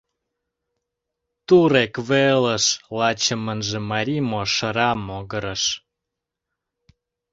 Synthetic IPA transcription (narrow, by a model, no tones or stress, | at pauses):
t̪uɾekβeləʃlɑt͡ɕə̆mənʒemɑɾʲimoʃə̆ɾɑmoɣəɾəʃ